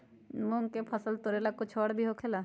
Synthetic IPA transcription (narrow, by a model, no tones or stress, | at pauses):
mõŋɡkepʰəsəlt̪oɾelakʊt͡ʃʰɔːɽbʱiɦokʰela